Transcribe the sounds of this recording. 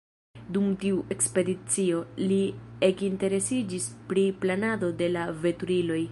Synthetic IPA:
dumtiuʔe̞kspe̞dit͡sio̞lie̞kinte̞ɾe̞sid͡ʒispɾiplanado̞de̞lave̞tuɾilo̞j

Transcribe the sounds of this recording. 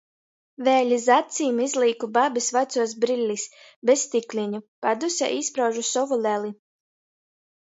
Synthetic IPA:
vɛːlʲizat̪sʲiːmizlʲˠiːkubabisvat̪suɔs̬bɾilʲːis | best̪iklʲiɲupad̪usʲa̰ʔispɾawʒusɔvulʲɛlʲˠi

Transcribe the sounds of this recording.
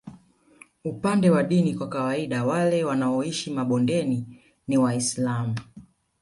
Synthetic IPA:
upandɛwaɗinikwakawaiɗawalɛwanaɔiʃimaɓɔndɛni | niwaislamu

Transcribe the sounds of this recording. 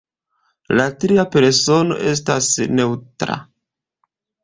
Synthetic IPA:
latɾiape̞ɾso̞no̞̰ʔe̞s̬tasne̞wtɾa̰

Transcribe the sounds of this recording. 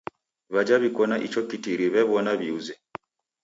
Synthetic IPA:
βad͡ʒaβikɔnaʔit͡ʃɔkitiɾiβɛβɔnaβiuzɛ

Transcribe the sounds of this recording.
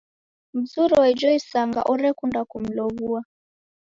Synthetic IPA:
m̩zuɾɔwɛd͡ʒɔisaŋɡa̰ʔɔɾɛkundakum̩lɔβua

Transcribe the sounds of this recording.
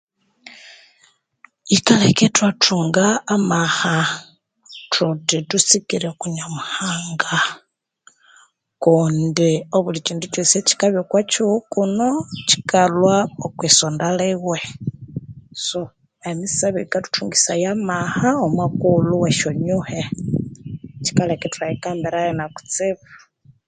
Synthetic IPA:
ikaleketwatʰuːŋɡaːmaha | tʰutitusikiɾekuɲamuhaːŋɡa | kundioβulit͡ʃiːndut͡ʃoseci̥kaβjokwat͡ʃukunoci̥kalwaokwisondaleɣwe | so | emisaβikatu̥tʰuŋɡisajamahaomwakuluweʃoɲuhe | t͡ʃi̥kaleketajikambiɾajenaku̥t͡siβu

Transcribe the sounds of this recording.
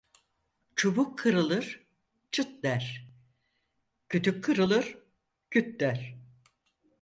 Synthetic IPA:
t͡ʃʰubukʰːɯɾɯlˠɯɾ̥ | t͡ʃʰɯt̪lʲæɾ̥ | cʰyt̪ʰykʰːɯɾɯlˠɯɾ̥ | cʰyt̪lʲæɾ̥

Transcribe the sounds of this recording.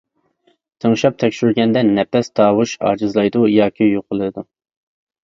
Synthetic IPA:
t̪ʰəŋʃɑp̚t̪ʰɛkʲʃyɾɡʲɛnd̪ɛnːɛpɛst̪ʰɑːwuʃɑ̰ːd͡ʒɨzlˠɑjd̪ujɑːkʲʰijoqʰəlˠɨd̪u

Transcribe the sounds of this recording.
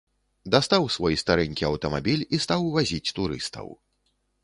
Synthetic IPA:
d̪ast̪awsvɔjst̪aɾɛnʲkʲiɐwt̪ɐma̰bʲilʲist̪awvazʲit͡sʲt̪uɾɨ̰st̪ʰɐ̰w

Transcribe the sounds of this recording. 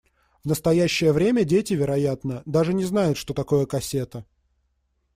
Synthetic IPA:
vnəst̪ɐjæɕːəjəvɾʲemʲədʲetʲɪvʲɪɾɐjat̪nəd̪aʐɨnʲɪznajʊt̪ʂt̪o̞t̪ɐko̞jəkɐsʲe̞t̪ə

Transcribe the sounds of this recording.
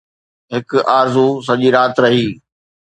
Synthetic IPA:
ɦɪkʊʔaːɾzus̬ɐʄiɾaːt̪ɾɐɦiː

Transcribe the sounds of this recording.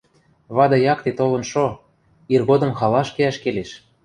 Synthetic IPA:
βɑd̪ɤ̆jɑkt̪et̪olɤ̆nʃo | irɣod̪ɤ̆mxɑlɑʃkeæʃkeleʃ

